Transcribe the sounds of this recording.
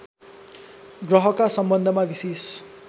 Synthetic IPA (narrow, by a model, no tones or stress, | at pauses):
ɡrʌɦʌkasʌmbʌnd̪ʱʌmabises